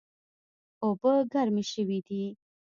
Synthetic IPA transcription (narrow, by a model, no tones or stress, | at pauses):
obəɡaɾmiʃəwid̪i